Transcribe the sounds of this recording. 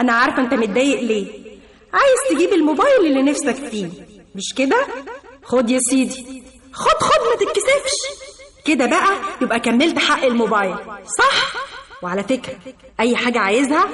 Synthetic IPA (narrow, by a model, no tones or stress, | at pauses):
ʔænæʕɑɾˤɑfʔent̪æmet̪̚d̪æːjeʔleː | ʕaːjezt̪eɡiːbelmobæːjelelːenæfsækfiːmeʃked̪æxod̪jesˤiːd̪i | xod̪xod̪mæt̪et̪kesebʃked̪æbæʔæjebʔækæmːelt̪ħaʔːelmobæːjlsˤɑħweʕalæfekɾæʔæjːħaːɡæʕaːjezhæ